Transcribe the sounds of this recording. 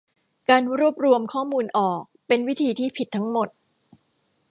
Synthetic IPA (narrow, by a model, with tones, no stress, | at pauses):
kaː˧nɾu˥˩əp̚ɾu˧əmkʰɔː˥˩muː˧nʔɔː˨˩k̚pe˧nwi˦˥t̪ʰiː˧t̪ʰiː˥˩pʰi˨˩t̪ʰːa˦˥ŋmo˨˩t̪̚